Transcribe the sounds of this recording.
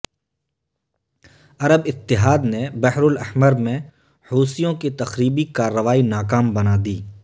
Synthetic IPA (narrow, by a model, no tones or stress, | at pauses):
ɐɾəbɪt̪ːɪɦaːd̪nebɛɦɾʊlɐhməɾmẽ | huːsijõkit̪ɐxɾiːbikaːɾːəʋaːinaːkaːmbɐnad̪iː